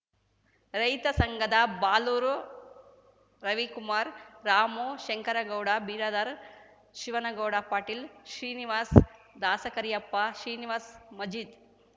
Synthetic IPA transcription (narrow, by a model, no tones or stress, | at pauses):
ɾɐjt̪ɐsɐŋɡʱɐd̪ɐbaːluːɾu | ɾɐʋikumaːɾɾaːmoːʃɐŋkɐɾɐɡɐwɽabiːɾɐd̪aɾ | ʃiʋɐnɐɡɐwɽapaːʈiːlʃɾiːniʋaːs | d̪aːsɐkɐɾijɐpːaʃɾiːniʋaːsmɐd͡ʒiːd̪